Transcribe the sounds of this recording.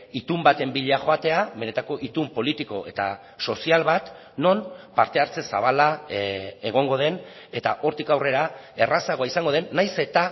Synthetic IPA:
it̪umbat̪e̞mbiʎeaxo̞at̪e̞aβe̞ne̞t̪ako̞ʔit̪umpo̞lit̪iko̞e̞t̪a̰ | so̞sialβat̪ | no̞npaɾt̪e̞aɾt͡se̞saβ̞ala | e̞ɣ̞o̞ŋɡo̞ð̞e̞n | e̞t̪aʔo̞ɾt̪ikawre̞ɾae̞rasaɣoaisaŋɡo̞ð̞e̞nːajse̞t̪a

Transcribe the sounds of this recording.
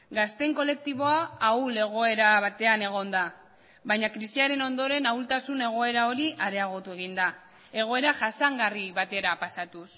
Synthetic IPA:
ɡast̪e̞ŋko̞le̞k̚t̪iβ̞o̞aːule̞ɣ̞o̞e̞ɾaβat̪e̞ane̞ɣ̞o̞nd̪a | βajɲakɾisiaɾe̞no̞nd̪o̞ɾe̞nawlt̪asune̞ɣ̞o̞e̞ɾao̞ɾiʔaɾe̞aɣ̞o̞t̪ue̞ɣ̞ind̪a | e̞ɣ̞o̞e̞ɾaʝasaŋɡariβat̪e̞ɾapasat̪us

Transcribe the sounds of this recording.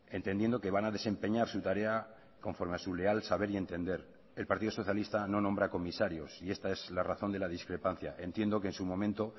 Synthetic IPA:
e̞nt̪e̞nd̪je̞nd̪o̞ke̞βanaðe̞se̞mpe̞ɲaɾsut̪aɾe̞a | ko̞ɱfo̞ɾme̞asule̞alsaβe̞ɾie̞nt̪e̞nd̪e̞ɾ | e̞lpaɾt̪iðo̞so̞θjalist̪ano̞nõ̞mbɾako̞misaɾjo̞sie̞st̪ae̞zlaraθo̞nd̪e̞laðiskɾe̞pan̟θja̰ʔe̞nt̪je̞nd̪o̞keːnsumõ̞mẽ̞nt̪o̞

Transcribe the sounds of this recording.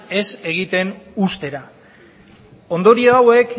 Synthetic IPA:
e̞se̞ɣ̞it̪e̞nust̪e̞ɾa | o̞nd̪o̞ɾioawe̞k

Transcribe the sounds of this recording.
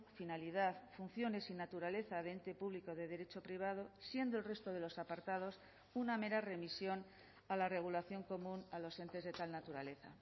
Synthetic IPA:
finaliðaθfun̟θjo̞ne̞sinat̪uɾale̞θaðe̞nt̪e̞puβlikoð̞e̞ðe̞ɾe̞t͡ʃo̞pɾiβ̞að̞o̞sje̞nd̪o̞elre̞st̪o̞ð̞e̞lo̞sapaɾt̪að̞o̞s | uname̞ɾare̞misjo̞n | alare̞ɣ̞ulaθjo̞ŋko̞mũnalo̞se̞nt̪e̞zðe̞t̪alnat̪uɾale̞θa

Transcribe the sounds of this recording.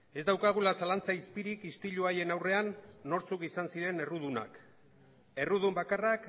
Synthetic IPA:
e̞zd̪awkaɣ̞ulasalant͡saispiɾikist̪iʎuaje̞nawre̞anːo̞ɾt͡sukisansiɾe̞ne̞ruð̞una̰k | e̞ruðumbakarak

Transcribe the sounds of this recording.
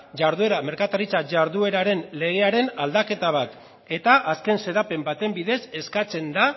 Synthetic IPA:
ʝaɾðue̞ɾame̞ɾkat̪aɾit͡saʝaɾðue̞ɾaɾe̞nle̞ɣeaɾe̞nald̪ake̞t̪aβ̞at̪ | e̞t̪aʔaske̞nse̞ðape̞mbat̪e̞mbiðe̞se̞skat͡se̞nd̪a

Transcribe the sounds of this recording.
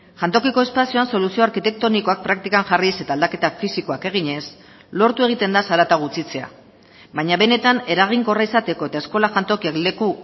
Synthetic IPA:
xant̪o̞kiko̞e̞spasioanso̞lusio̞aɾkit̪e̞k̚t̪o̞niko̞ak̚pɾak̚t̪ikaŋʝariese̞t̪aːld̪ake̞t̪afisiko̞ake̞ɣ̞iɲe̞s | lo̞ɾt̪ue̞ɣ̞it̪e̞nd̪asaɾat̪aɣ̞ut͡sit͡se̞a̰ | βaɲaβe̞ne̞t̪ane̞ɾaɣ̞iŋko̞raisat̪e̞ko̞e̞t̪ae̞sko̞laxant̪o̞kiakle̞ku

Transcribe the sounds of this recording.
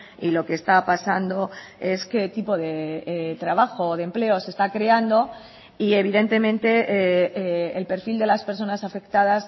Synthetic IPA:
ilo̞ke̞ːst̪apasand̪o̞ | e̞ske̞t̪ipo̞ðe̞t̪ɾaβ̞axo̞ðemple̞ose̞st̪akɾe̞and̪o̞ | ie̞β̞iðe̞nt̪e̞mẽnt̪e̞ | elpe̞ɾfild̪e̞laspe̞ɾso̞nasafe̞kt̪að̞as

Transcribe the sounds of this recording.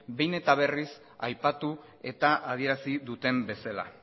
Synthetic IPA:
be̞jne̞t̪aβ̞e̞ris | ajpat̪u | e̞t̪aʔað̞ie̞ɾasiðut̪e̞mbe̞sala̰

